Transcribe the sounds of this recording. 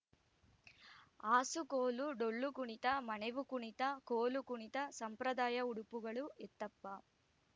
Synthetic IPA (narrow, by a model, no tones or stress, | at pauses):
aːsukoːluɖoɭːukuɳit̪ɐmɐneʋukuɳit̪ɐkoːlukuɳit̪ɐsɐmpɾɐd̪aːjɐuɽupuɡɐɭuɛt̪ːɐpːɐ